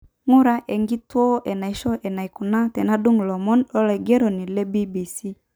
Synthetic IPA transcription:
ŋu˦ɾa˨ʔɛ˨ŋɡi˦twɔ˦ʔɛ˨na˨i˦ʃɔ˦ʔɛ˨na˨i˨ku˨na˦tɛ˨na˦du˦ŋ˨lɔ˨mɔ˦nɔ˦lɛ˨ɡɛ˦ɾɔ˨ni˨lɛ˦bi˦bi˨si˦

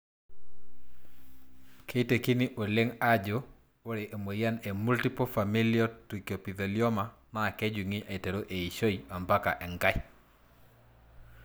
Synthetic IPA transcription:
kʰe˦i˦te˨ki˦nɪ˦ʔo˨lɪ˦ŋa˦d͡ʒo˦ | o˦ɾe˨ʔe˨mo˨ja˦ne˨mu˦lti˦pofa˨mi˦lio˦tɾi˨kjo˨pi˨ðe˨ljɔ˦ma˨na˦˨kɛ˦d͡ʒi˨ŋi˦ʔe˨te˨ɾo˦ʔe˨i˨ʃo˦ia˨mba˦ka̰˨ʔɛ˨ŋɡa˦j

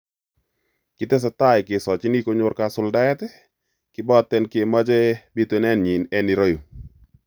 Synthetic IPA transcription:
kɪ˨tɛ˦s̬ɛ˨ta˦˨ɪ˨kɪ˨sɔ˨t͡ʃɪ˦ni˦ko˦ɲʊ˦ɾka˨sʊ˦lda˦ɛ˦tɛ˦ | kɪ˦bɔ˦tɛ˦nke˨ma˦d͡ʒɛ˦bi˦te˨˦nɛ˦nɲi˨nɛ˦ni˨ɾo˦jo˨

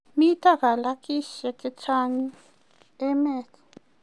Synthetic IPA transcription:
mi˦tʼa˦ka˨la˦kʼi˦ʃɛ˨kʼi˦t͡sʰa˦ŋi˦ | ɛ˦mɛː˦t͡sʰḁ

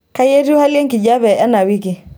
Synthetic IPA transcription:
ka˦je˦ɾi˦ha˦li˦ja˦ŋki˨d͡ʒa˦βɛ˨a˦na˨wi˦ki˨

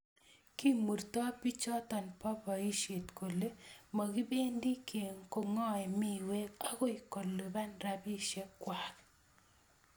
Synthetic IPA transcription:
ki˦mu˨rt̪ɔ˦pi˦t͡ʃɔ˦t̪ɔ˨npɔ˦pɔ˨i˦ʃe˨t̪ko˨le˦ma˨ɡi˦be˦ndi˦ke˨ŋko˦˨ŋɔ˦ɛ˨mi˦˨we˦ka˦ɡɔ˦i˨ko˨lːo˨ba˦nɾa˨bi˦ʃe˦kwa˨k

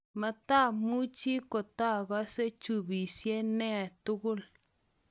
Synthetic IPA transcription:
ma˧t̪a˦˨mu˦t͡ʃi˦ko˨t̪a˦ɡa˦se˦t͡ʃu˧bi˨sje˦ne˦˨t̪u˦ɡu˦l

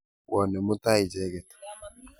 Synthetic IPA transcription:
wʔɔ˨nɛ˨mʊ˦t̪a˦ɪ˨d͡ʒɛ˦ɡɛ˨t̪

